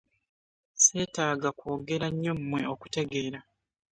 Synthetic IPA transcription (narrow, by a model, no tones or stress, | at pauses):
se̞ːtaːɡakoːɡe̞ɾaɲːommwe̞o̞ku̥te̞ɡe̞ːɾa